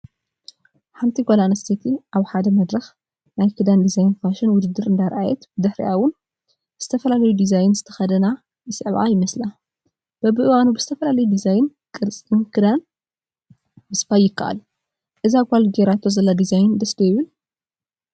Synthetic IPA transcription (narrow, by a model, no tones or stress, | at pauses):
ħant̪ʰiɡʷolanɐst̪ʰet̪ʰiʔaβħad̪ɐmɐd̪ɾɐx | najkʰɨd̪and̪izajnfaʃɪnwʊd̪ɨd̪ːɨɾɨnd̪aɾʔajɛt̪bɨd̪ɨħɾḭʔawʊn | z̥ɨt̪ʰɐfɐlalɐjud̪izajnzɨt̪ʰɐ̥xɐd̪ɐna | jɨsʼɨʕβʔa̰jɪmɐsla | b̥ɐbɨʔɨwanubɨz̥ɨt̪ʰɐfɐlalɐjud̪izajɪnkʼɨɾt͡sʼinkʰɨd̪an | bɨsɨ̥fajɪkʰːaʔa̰l | ʔɨzaɡʷalɡeɾat̪ʰozɐlːad̪izajnd̪ɐsd̪ojɪβɨn